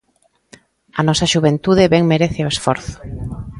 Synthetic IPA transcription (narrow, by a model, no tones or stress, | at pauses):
ɐnɔsɐʃuβent̪uðɪβɛŋmeɾeθeoesfɔ̰ɾθʊ̥